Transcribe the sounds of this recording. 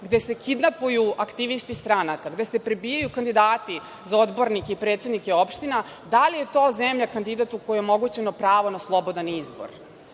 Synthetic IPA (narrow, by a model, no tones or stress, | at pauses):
ɡd̪ese̞kid̪napujuakt̪iʋist̪ist̪ɾanakaɡd̪e̞sepɾebiːjajukand̪id̪aːt̪i | zao̞d̪bo̞ɾnikeipɾeːt̪sed̪nikeo̞pʃt̪ina | d̪alije̞t̪o̞ːzemʎakand̪id̪at̪ukojiomo̞ɡut͡ɕenopɾaːʋo̞naslˠo̞bo̞d̪anizbo̞̰ɾ